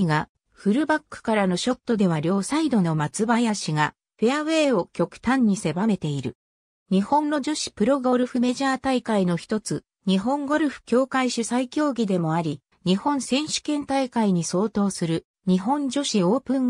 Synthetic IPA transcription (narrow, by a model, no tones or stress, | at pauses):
ɡa | ɸɯ̟ɾɯ̟bakːɯ̥kaɾano̞ɕo̞t̪ːo̞d̪e̞β̞aɾʲjo̞ːsaid̪o̞no̞mat͡sɨbajaɕiɡa | ɸeaβe̞ːo̞kʲo̞kɯ̟̥t̪ãɲ̟ːise̞bame̞t̪e̞iɾɯ̟ | ɲ̟ihõ̞nːo̞d͡ʑo̞ɕi̥pɯ̟ɾo̞ɡo̞ɾɯ̟ɸɯ̟me̞ʑaːt̪aikaino̞çi̥t̪o̞t͡sɨ | ɲ̟iɦõ̞ŋɡo̞ɾɯ̟ɸɯ̟̥kʲo̞ːkaiɕɨsaikʲo̞ːɡʲid̪e̞mo̞aɾʲi | ɲ̟ihõ̞ñsẽ̞ɰ̃ɕɨ̥kẽ̞nt̪aikaiɲ̟iso̞ːt̪o̞ːsɨɾɯ̟ | ɲ̟iɦõ̞ɲd͡ʑo̞ɕio̞ːpɯ̃ŋ